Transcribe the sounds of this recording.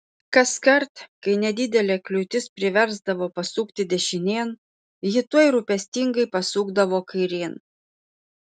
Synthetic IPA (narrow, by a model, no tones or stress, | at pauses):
kɐskɐɾt̪kɐɪnʲɛd̪ʲɪd̪ʲɛlʲeːklʲʊt̪ʲɪspʲɾʲɪʋʲɛɾzd̪ɐʋoːpɐsuːkt̪ʲɪd̪ʲɛʃʲɪnʲeːn | jɪt̪uɔɪɾʊpʲɛsʲt̪ʲɪŋɡɐɪpɐsuːɡd̪ɐʋoːkɐɪɾʲeːn